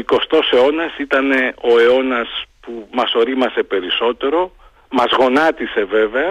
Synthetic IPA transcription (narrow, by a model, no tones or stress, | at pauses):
iko̞st̪o̞se̞o̞nɐsit̪ɐne̞o̞e̞o̞nɐspumɐso̞ɾimɐsepe̞ɾiso̞t̪e̞ɾo̞ | mɐzɣo̞nɐt̪ise̞ve̞ve̞ɐ